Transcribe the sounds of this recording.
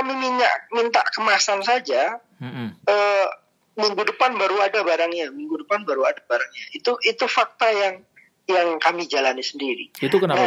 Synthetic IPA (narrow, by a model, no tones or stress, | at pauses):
kamimiɲa̰ʔmint̪aʔkəmasansad͡ʒa | ə | miŋɡudəpanbaɾuadabaɾaŋɲamiŋɡudəpanbaɾuadabaɾaŋɲait̪uʔit̪ufak̚t̪ajaŋ | jaŋkamid͡ʒalanisəndiɾḭit̪ukənaa